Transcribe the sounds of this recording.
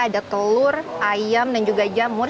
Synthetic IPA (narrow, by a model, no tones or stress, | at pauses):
adat̪əlʊrajamdand͡ʒuɡad͡ʒamʊr